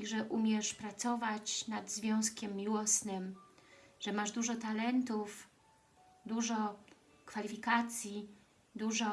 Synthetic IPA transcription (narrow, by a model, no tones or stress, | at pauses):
ʐɛʔumʲjɛʂpɾat̪sɔvat͡ɕnad̪zvʲjɔ̃w̃skʲɛmːiwɔsnɘm | ʐ̥ɛmaʐd̪uʐɔt̪alɛnt̪uf | d̪uʐɔ | kfalʲifʲikat̪sʲji | d̪uʐɔ